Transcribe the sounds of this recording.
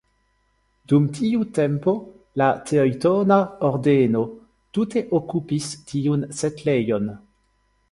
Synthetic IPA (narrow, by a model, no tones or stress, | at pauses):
dumtiute̞mpo̞ | latʰeojtonaoɾdeno̞ | tute̞ʔokupistiunsetlejo̞n